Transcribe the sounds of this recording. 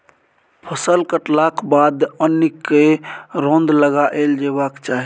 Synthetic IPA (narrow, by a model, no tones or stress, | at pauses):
pʰəsəlkəʈlakʰbad̪ənikːeɾõnd̪ləɡaʔeld͡ʒebakt͡ʃaɦi